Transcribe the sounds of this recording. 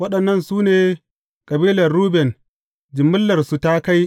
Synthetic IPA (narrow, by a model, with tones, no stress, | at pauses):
wɐ˦ɗɐ˨nːɐ˦˨nsuː˦neː˨ | kʼɐ˨biː˦lɐ˨rɾuː˦bɛ˨n | d͡ʒɪ˨mːʊ˦lːɐ˨rsu˨ta˦ka˦j